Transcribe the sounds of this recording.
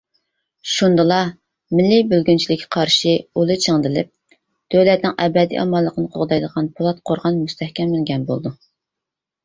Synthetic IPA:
ʃund̪ɨlˠɑ | mɪlːɪbølɡʲynt͡ʃʰilɪkʲʰːɛqʰɑɾʃɨolˠɨt͡ʃʰəŋd̪ɪlɪ̰p̚ | d̪̥ølɛt̪nɪŋɛbɛd̪ḭʔɑmɑlˠːəqənɨqʰo̰ʁd̪ɑjd̪əʁɑnpʰolˠɑt̪̚qʰoɾʁɑnmust̪ʰɛhkʲɛmːɪlɡʲɛnbo̰lˠd̪u

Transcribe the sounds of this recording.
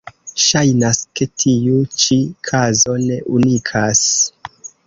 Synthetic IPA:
ʃajnaske̞tʰijut͡ʃikʰazo̞ne̞ʔunikʰas

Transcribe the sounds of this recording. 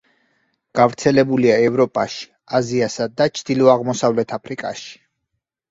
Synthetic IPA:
ɡ̥avɾt̪sʰɛlɛbuliaɛvɾɔpʼaʃi̥ | aziasad̪d̪at͡ʃʰd̪̥ilɔaʁmɔsavlɛt̪ʰapʰɾikʼa̰ʃi̥

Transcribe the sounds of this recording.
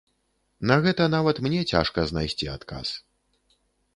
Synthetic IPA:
nɐɣɛt̪ɐnavɐt̪mnʲɛt͡sʲa̰ʂkɐznajsʲt͡sʲiat̪kʰa̰s

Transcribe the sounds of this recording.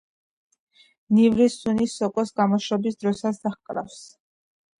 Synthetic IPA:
nivɾisunisɔkʼɔsɡamɔʃɾɔbisd̪ɾɔsasd̪̥aχkʼɾa̰fs

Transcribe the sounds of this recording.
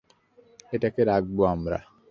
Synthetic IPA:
etɛkeɾak̚buamɾa̰

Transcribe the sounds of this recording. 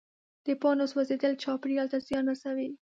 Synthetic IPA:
d̪̥əpɑnoswazed̪əlt͡ʃɑpɽiɑlt̪azjɑnwasawi

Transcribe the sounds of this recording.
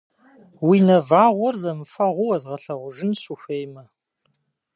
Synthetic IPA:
winɐvaːʁʷɔrzɐmɨfɐʁʷʊwɐzʁɐɬɐʁʷʊʒɪnsuxʷejmɐ

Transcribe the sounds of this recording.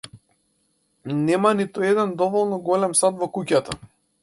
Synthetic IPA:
nɛmanit̪uɛd̪ɛnd̪ɔvɔlˠnɔɡɔlɛmsad̪vɔkucat̪a

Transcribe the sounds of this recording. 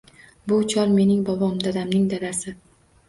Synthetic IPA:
bʊt͡ʃʰɒɾme̞nɪŋbɒbɒmd̪ad̪amnɪŋd̪ad̪asɪ

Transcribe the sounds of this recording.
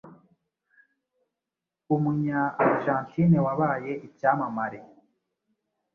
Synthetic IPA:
umuɲaaɾʒaːntinewaβaːjeʔicaːmamaɾe

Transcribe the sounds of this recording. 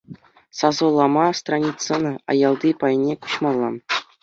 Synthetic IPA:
sɑzɤ̆lˠːɑmɑst̪ranʲitsɤ̆nɤɑ̰jɑlˠd̪ipɑj̆nʲeku̥ɕmɑlˠːɑ̰

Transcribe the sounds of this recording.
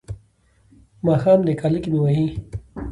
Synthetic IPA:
maːxaːmd̪ekaːlikimĩwɐɦĩː

